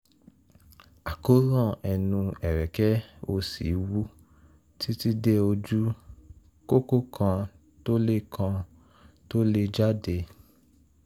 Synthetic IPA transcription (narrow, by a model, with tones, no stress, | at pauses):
a˨ko˦ɾã˦˨ɛ˧nũ˧ɛ˨ɾɛ˨kɛ˦o˧sḭ˨˦wu˦ | ti˦ti˦de˦o˧d͡ʒu˦ | ko˦ko˦kʰã˧ | to˦le˦kʰã˧ | to˦le˦d͡ʒa˦de˧